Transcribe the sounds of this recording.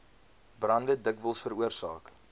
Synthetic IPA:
brɐndədəkvəlˠsfəɾuərsɑ̰ːk

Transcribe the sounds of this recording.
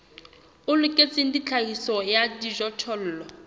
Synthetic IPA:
ʊlʊkʼet͡sʼɪndit͡ɬʰahisɔjadiʒɔtʰɔl̩ːlɔ

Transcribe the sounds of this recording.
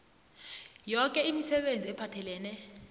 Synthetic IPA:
jɔkʼɛimisɛɓend͡zʱiɛpʰatʰɛlɛːnɛ

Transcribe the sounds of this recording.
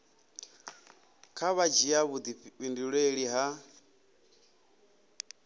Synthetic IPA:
kʰaβad͡ʒiaβud̪iβindiɺeɺiɦa

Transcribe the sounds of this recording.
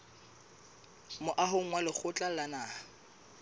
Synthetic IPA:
mʊʔaɦʊŋ̩ŋwalɪk͡xʰʊt͡ɬʼalanaː

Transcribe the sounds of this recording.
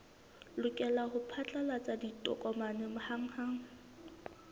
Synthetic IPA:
lʊkʼɛlahʊpʰat͡ɬʼalat͡sʼaditʼɔ̰kʼɔmanɛmʊhaŋ̩haːŋ̩

